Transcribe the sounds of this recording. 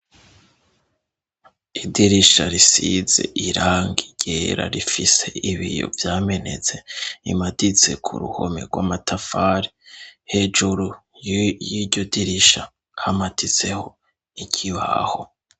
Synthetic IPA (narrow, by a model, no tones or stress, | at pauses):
idiɾiʃaɾisize̞̰ʔiɾaːŋɡiɟ̥eɾa̰ɾifise̞iβijo̰vjaːme̞ne̞̰t͡se̞ḭmadit͡se̞kʰṵɾṵho̰mḛɾɡwamatʰafaɾihe̞d͡ʒuɾu | jjiɾɟo̞diɾiʃa | hamatʰit͡se̞ho̞ | ikʰiβa̰ho̞